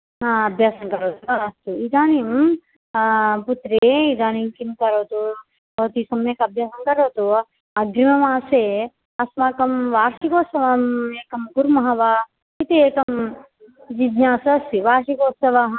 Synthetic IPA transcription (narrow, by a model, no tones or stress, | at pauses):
ɦãːɐbʱjaːsɐnkɐɾoːt̪ukaɐst̪uid̪aːnim | put̪ɾeid̪aːnimkinkɐɾoːt̪u | bɐːt̪isɐmjekɐbʱjaːsɐnkɐɾoːt̪u | ɐɡɾimɐmãːse | ɐsmãːkɐmʋaːɾʃikoːsɐʋɐmeːkɐmɡuɾmɐɦɐʋa | kit̪eeːkɐm | d͡ʒid̪ɲãːsɐsiʋaːɾʃikoːsɐʋaɦ